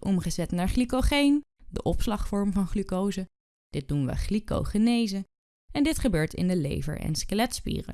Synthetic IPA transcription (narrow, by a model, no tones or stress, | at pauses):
ʔɔmχəzɛtnaːɹχlikoχejn | dəʔɔpslɑχfɔɹmvɑnχlykowzə | d̥ɪt̚dunʋə̰χliko̰wχənejzə | ɛndɪtχəbøːɹtɪ̰ndəlḛjvə̰ɹɛ̰nskəlɛtspḭːrə̰